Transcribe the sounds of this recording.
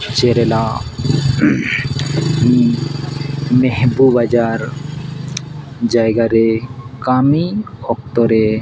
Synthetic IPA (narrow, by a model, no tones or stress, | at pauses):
t͡ʃeɾɛla | mi | meɦbubad͡ʒaɾ | d͡ʒajɡaɾekami | ɔkt̪ɔɾe